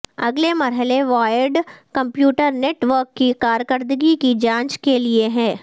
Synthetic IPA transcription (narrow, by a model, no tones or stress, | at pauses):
ɐɡlemɐɾɦəleʋaːɪəɾɖkɐ̃mpjuːʈəɾneːʈʋəɾkːikaːɾjəkəɾd̪əɡikid͡ʒãːɲt͡ʃkelieɦɛ̃ː